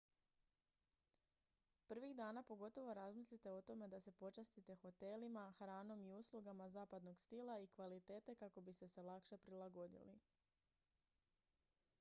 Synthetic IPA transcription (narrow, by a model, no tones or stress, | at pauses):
pr̩ʋiɣd̪aːnapo̞ɡo̞t̪o̞ʋo̞ɾazmislit̪e̞ot̪o̞me̞d̪ase̞po̞t͡ʃast̪it̪e̞xo̞t̪e̞limaxɾaːno̞miuslˠuɡamazaːpad̪no̞ɡst̪ilˠaikʋalit̪e̞ːt̪e̞kako̞bist̪e̞se̞lˠakʃe̞pɾilˠaɡo̞d̪ḭlḭ